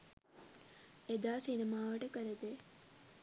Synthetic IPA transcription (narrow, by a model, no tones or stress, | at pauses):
ed̪aːsinimaːʋəʈəkəɾəd̪e